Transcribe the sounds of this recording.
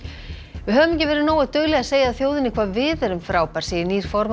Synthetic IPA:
vɪðɦœːvʏmɛcɪvɛːɾɪnoːwaðt̪œɣlɛɣaseːjaaðθjoːwðɪnɪkʰvaːvɪːðɛɾʏmfɾaːwpaɾ̥siːjɪniːɾ̥fɔɾm

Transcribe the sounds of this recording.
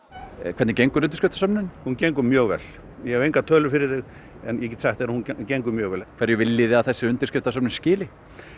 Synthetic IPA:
kʰvɛt̪nɪcejŋkʏɾʏnt̪ɪ̥skɪft̪asœpnʏnhuncejŋkʏmjœːɣvɛ̰l | jɛhɛvejŋkat̪ʰœːlʏfɪɾɪɾθɪɣ | ɛnjɛɛcɛt̪sɛxt̪θɛːɾahuncejŋkʏmjœːɣvɛlkʰvɛɾjʏvɪlːiːðɪaðθɛsːɪʏnt̪ɪɾskɪft̪asœpnɪnscɪːlɪ

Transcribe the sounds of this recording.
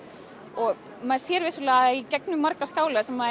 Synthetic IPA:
ɔɣ | maðsjɛːɾvɪːsʏlɛːɣicɛknʏmːaɾkaskaːwlasɛmːa

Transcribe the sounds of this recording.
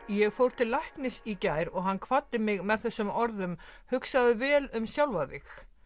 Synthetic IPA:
jɛɣfowɾt̪ʰɪlajhknɪsicaːjɾɔɣɦanːkʰvat̪ːɪmɪɣmɛðθɛsːʏmɔɾðʏmhʏksaðɪvɛːlʏmsjawlvaðɪx

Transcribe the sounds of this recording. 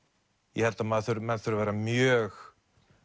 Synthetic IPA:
jɛhɛlt̪amðθʏɾmɛðθʏɾavɛːɾamjœːx

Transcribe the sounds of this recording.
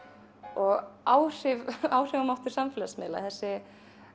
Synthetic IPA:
ɔɣaːwr̥ɪvaːwr̥ɪvamawht̪ʏɾ̥samfɪlasmɪ̰ːla̰θɛsːɪ

